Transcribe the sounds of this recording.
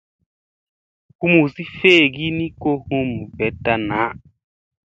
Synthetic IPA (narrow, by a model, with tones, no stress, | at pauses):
ku˦mu˨si˦feː˦˨ɡi˦ni˦ko˦hũ˦m˨vɛ˨˦ta˧na˨˦